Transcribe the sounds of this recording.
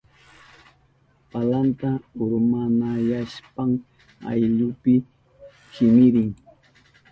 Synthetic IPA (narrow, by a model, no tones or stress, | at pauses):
palant̪aʊɾmanajaʃpaŋ | a̰jʎʊpɪ | t͡ʃɪmɪɾɪŋ